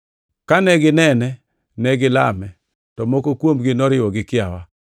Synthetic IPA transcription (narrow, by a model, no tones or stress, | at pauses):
kanɛɡɪnɛnɛ | nɛɡɪla̰mɛ | tɔmɔkokwomɡɪnɔɾɪwɔɡɪkɪawa